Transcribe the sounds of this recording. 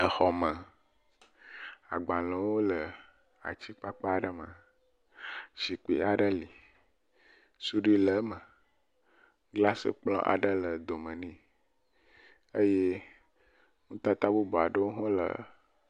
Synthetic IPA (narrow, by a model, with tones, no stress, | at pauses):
ə˨xɔ˨mə˨ | a̰˨ɡ͡ba˨lə̃˨wo˦lə˨ | a̰˨t͡ɕi˦k͡pa˦k͡pa˦˨ɖə˦mə̃˨ | ʃi˨k͡pḭ˨a˨ɖə˦li˨ | su˦ɖi˦lə˨˦mə˨ | ɡla˦sə̰˦k͡plɔ̰̃˦ʔa̰˨ɖə˦lə˨d̪o˨mə̃˨nĩ˦ | ə˦je˦ | ŋũ˦t̪a˦t̪a˦bu˦bo˨a˨ɖə˦wo˦ɦɔ̃˦lə̰˨